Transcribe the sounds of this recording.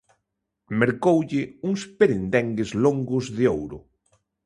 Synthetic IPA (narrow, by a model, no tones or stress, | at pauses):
meɾkowʎɪuŋspeɾend̪ɛŋɡezloŋɡʊzðɪowɾʊ̰